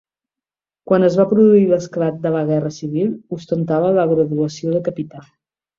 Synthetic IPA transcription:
kwanəzβapɾuðuiləsklat̪̚d̪ələɣɛrəsiβ̞ilˠust̪ənt̪aβələɣɾəðuəsioðəkəpit̪a

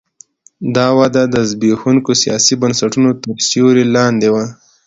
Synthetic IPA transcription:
d̪ɑwad̪ad̪əzbexuŋkosijɑ̰sibənsaʈunot̪əɾsjoɾelɑnd̪ewa

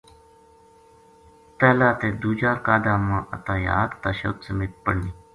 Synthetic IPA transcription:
t̪ɛːlaːt̪eːd̪uːd͡ʒaːɾkaːd̪ãːmãːʔə̰t̪ãːja̰ːd̪t̪aːʃo̰ːt̪səmeːt̪̚pəɽniː

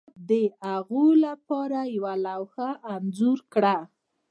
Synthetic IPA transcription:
d̪əaɣolapɑɾajawalawxaʔːnzoɾkɽa

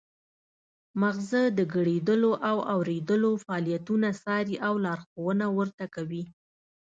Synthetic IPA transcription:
maɣzəd̪əɡəɽed̪əloʔawawɾed̪əlofaːlijat̪unasɑɾiʔawlɑɾxowənawəɾt̪akawi

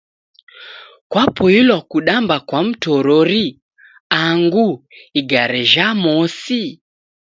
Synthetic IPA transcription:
kwapɔilwakuɗambakwam̩tɔɾɔɾi | aŋɡuiɡaɾɛʒamɔsi

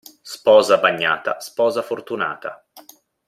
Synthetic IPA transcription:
spɔːzabaɲːa̰ːt̪a̰spɔːzafort̪una̰ːt̪a

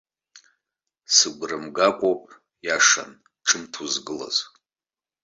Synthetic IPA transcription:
sɨɡʷrɨmɡakʷʼopʼ | jaʂa̰n | ʈ͡ʂʰɨmtʰuzɡɨla̰z

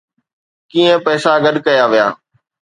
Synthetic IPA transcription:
kiːə̃pɛːsaɡɐɗkɐjaʋija̰ː

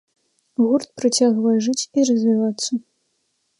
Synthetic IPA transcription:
ɣurt̪̚pɾat͡sʲaɣvɐjɛʐɨt͡sʲiɾɐzʲvʲivat̪sːɐ

